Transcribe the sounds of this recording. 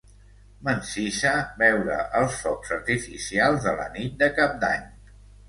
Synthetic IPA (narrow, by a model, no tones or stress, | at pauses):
mənsiʃəβɛwɾə̰ʔəlˠsfɔksəɾt̪ifisialˠzðələ̰nit̪̚d̪əkap̚d̪a̰ɲ